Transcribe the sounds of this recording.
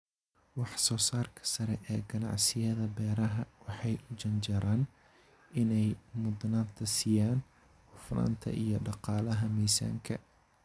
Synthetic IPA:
wɑħsɔːsaːrkʰɐ̥sɐɾɛʔɛːɡɐnɑ̰ʕsɪjɐðɐbɛːɾɐɦɐwɑħɑjʊd͡ʒɐnd͡ʒɐɾaːn | ʔɪnɛjmʊd̪naːnt̪ʰɐsijaːn | ħʊfna̰ːnt̪ʰɐ̰ʔijɞɖɑqɑːlɐɦɐmɛːsa̰ːŋkʰɐ

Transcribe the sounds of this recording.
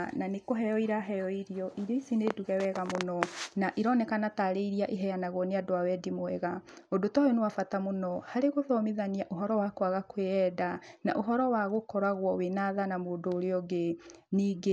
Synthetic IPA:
nanekoɦɛjɔiɾaɦɛjɔiɾiɔʔiɾeisineduɣɛwɛɣamonɔnaʔiɾɔːnɛkanataɾeiɾiaʔeɦɛjanaɣwɔneadoawɛdimoɛɣaodotɔjonewafatamonɔhaɾeɣoðɔmiðaniaʔoɦɔɾɔwakwaɣakweɛdana̰ʔoɦɔɾɔwaɣokɔɾaɣwɔwenaðanamoːdoːɾeɔɡeniːɡe

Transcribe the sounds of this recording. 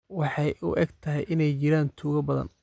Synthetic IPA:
wɑħɑjʊ̰ʔɛɡt̪ʰɐɦɛ̰jʔɪnɛjt͡ʃɪɾaːnt̪ʰuːɣɐbɐðɐ̰n

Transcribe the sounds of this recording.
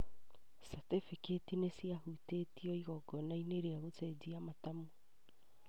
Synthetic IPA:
satefiketinesiahutetiɔiɣɔɡɔnaineɾeaɣotɛd͡ʒiamatamu

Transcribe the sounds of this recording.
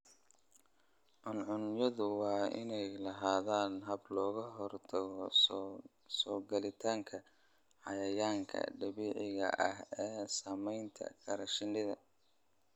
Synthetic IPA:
ʕʊnʕʊnjɐðʊwɑːɪ̰nɛjlɐɦaːðaːnɦɐblɔːɣɐɦɔrt̪ʰɐɣɔ | sɔːɡɐlɪt̪ʰaːŋkʰɐ | ʕɑjɐjaːŋkʰɐ̰ɖɐβiːʕɪɣɐ̰ʔɐ̰ɦɛːsaːmɛjnt̪ʰɐ̰kʰɐɾɐʃɪnːɪðɐ

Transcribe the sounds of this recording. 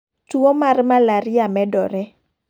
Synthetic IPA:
twomarmalaɾɪjamɛdɔɾɛ

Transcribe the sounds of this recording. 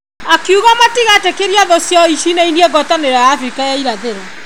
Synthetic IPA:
akiuɣamatiɣatekeɾjaðɔsjɔiʃinainieɣɔtaneɾajaːfɾikajaiɾaðeɾɔ

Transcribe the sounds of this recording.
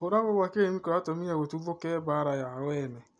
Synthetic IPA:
oɾaɣoβwakeemikɔɾatomiaɣotuvokɛbaɾajawɛːnɛ

